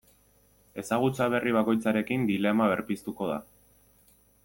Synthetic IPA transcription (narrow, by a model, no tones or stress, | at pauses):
e̞saɣ̞ut͡saβ̞e̞riβ̞ako̞jt͡saɾe̞kind̪ile̞maβ̞e̞ɾpist̪uko̞ða̰